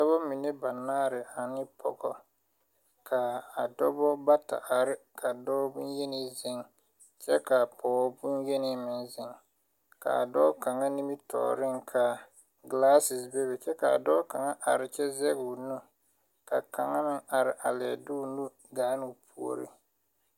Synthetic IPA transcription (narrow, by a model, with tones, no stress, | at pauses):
dɔ˦bɔ˦mi˨ne˦ba˨naː˦ɾɪ˨a˨nɪ˦pʰɔ̰˨ɡɔ˦ | kʰa˨a˨dɔ˦bɔ˦ba˦ta̰˨ʔa˨ɾɪ˦kʰa˨dɔː˦bu˦n˦je˦ni˦zɪ˦ŋ | t͡ʃɛ˦ka˨pɔ˨ɔ˦bu˦nje˦nɪ˦mɪ˨nzɪ˨ŋ | ka̰˨dɔː˦ka˨ŋa˦ni˦mi˦tʰɔ̰ː˨ɾɪ˦ŋkʰa˨ | ɡlaː˦sɪ˨sbe˦bɛ˨t͡ʃɛ˦ka˨a̰˨dɔː˦ka˨ŋa˦ʔa˨ɾɪ˨t͡ʃɛ˦zɛ˦ɡu˨nu˦ | ka˨ka˨ŋa˦mɪ˦ŋa˨ɾɪ˨ʔa˨lɛ̰˨du˦˨nu˦ | ɡaː˨˦nu˨pʰu˦o̰˦ɾḭ˦